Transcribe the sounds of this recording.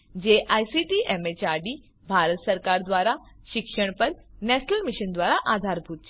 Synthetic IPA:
d͡ʑeːʔaːjsiʈiʔɛmet͡ɕaːɾɖiː | bʱaːɾət̪səɾkaːɾd̪ʋaːɾaʃɪkʃəɽ̃pəɾnɛːʃnəlmɪʃənd̪ʋaːɾaʔaːd̪ʱaːɾbʱuːt̪̚ʰː

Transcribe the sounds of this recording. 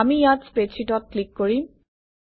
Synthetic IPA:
amijatspɹet͡ʃʰitɔt̚klikːoɹi

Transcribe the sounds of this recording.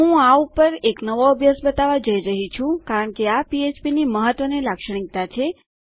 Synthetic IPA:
ɦũaupəɾeknəʋoəbʱjəsbət̪aʋad͡ʒəiɾəɦit͡ʃʰũkaɾəɳkeapiet͡ʃpiniməɦət̪ʋənelakʃəɳ̃ik̚t̪at͡ʃʰe

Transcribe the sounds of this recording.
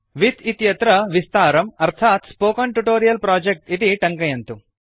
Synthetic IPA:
ʋit̪it̪jɐt̪ɾɐʋist̪aːɾɐmɐɾt̪ʰaːt̪spoːkɐɳʈuʈoːɾijɐlpɾaːd͡ʒek̚ʈit̪iʈɐŋkɐjɐnt̪u

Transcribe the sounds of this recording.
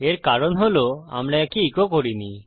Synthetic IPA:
eɾkaɾonɦoloa̰mɽaɛkiikokoɾini

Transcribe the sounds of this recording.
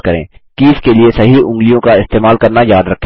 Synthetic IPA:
kɐɾḛ̃ːkiːskeliesɐɦiʊ̃ŋɡlijõkaɪst̪eːmaːlkɐɾnajaːd̪ɾɐkʰː

